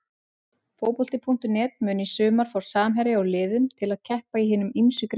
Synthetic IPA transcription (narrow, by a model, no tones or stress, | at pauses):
foːwpɔlt̪ɪpʰuŋ̥t̪ʏnɛːt̪mʏːnisʏːmaɾ̥fawɾ̥saːmɦɛɾɪawlɪːðʏmt̪ʰɪlaðcʰɛhpaiɦɪːnʏmimsʏkɾ